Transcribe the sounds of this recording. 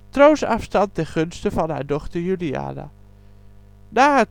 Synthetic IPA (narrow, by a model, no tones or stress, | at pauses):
trowsɑ̰fstɑnt̚ɛɹχɵnstəvɑnɦa̰ːɹdɔχtəɹjylia̰ːna̰ | naːɦa